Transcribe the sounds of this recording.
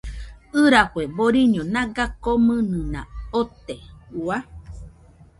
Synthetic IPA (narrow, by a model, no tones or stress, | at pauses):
ɨɾakweboɾiɲõnãɡakomɨ̃nɨ̃nã̰ot̪eua